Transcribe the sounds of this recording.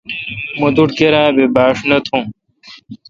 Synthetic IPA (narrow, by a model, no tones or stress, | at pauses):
mud̪uʈkeɾãːbebaːʂnɐt̪ʰũː